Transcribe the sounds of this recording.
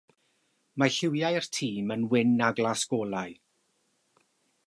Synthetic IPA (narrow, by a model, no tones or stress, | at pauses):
maɬɪwjajrtʰiːmənwɪnaɡlˠasɡ̥oːlˠaɨ